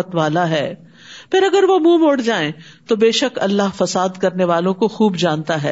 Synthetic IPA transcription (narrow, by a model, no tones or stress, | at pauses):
ət̪ʋaːlaɦɛː | pʰɪɾɐɡəɾʋomũːmoːɽd͡ʒaːẽ | t̪obeːʃəkɐlːaɦfɐsaːd̪kɐɾneʋaːlõkoxuːbd͡ʒaːnt̪aɦɛ̰ː